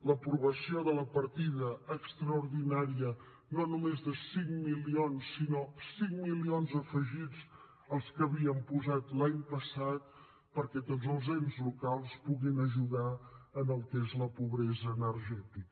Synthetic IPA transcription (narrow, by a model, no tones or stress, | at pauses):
ləpɾuβəsioðələpəɾt̪iðəəkst̪ɾəuɾðinaɾiə | nonumezðəsiŋmilionsːinosiŋmilionzəfəʒid͡z | əlˠskəβiəmpuzat̪laɲpəsat̪̚ | pəɾkɛt̪odzəlˠzenzlukalˠspuɣinəʒuðaənəlˠkezləpuβɾɛzəːnəɾʒɛt̪ik